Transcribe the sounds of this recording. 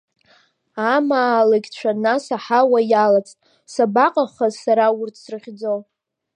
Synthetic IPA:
amaːlaɡʲt͡ʃʷʰanasaħawajalat͡sʼtʼ | sabaqʼaχazsaɾaʊrtʰsrɨʁʲd͡zow

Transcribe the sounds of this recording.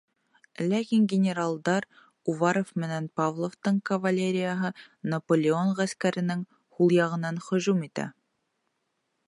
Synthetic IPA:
lækiŋɡʲɪnʲɪɾalˠd̪ɑɾ | uvɑɾofmɘ̆nænpavlˠoft̪ɤɴkɐvɐlʲeɾʲɪjəɦɤnɐpolʲɪonʁæskæɾɘ̆nɘŋ | hulˠjɑʁɤ̆nɑnχɵ̆ʒumit̪æ̰

